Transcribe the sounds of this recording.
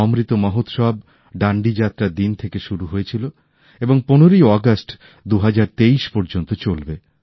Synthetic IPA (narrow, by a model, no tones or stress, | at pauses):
ɔmɾit̪omɔɦot̪ʃɔb̚ | ɖaɳɖid͡ʑat̪ːɾad̪int̪ʰekeʃuɾuɦojet͡ɕʰilo | eboŋponeɾojɔɡasʈ | d̪uɦad͡ʑaɾt̪eiʃpɔɾd͡ʑont̪ot͡ɕolbe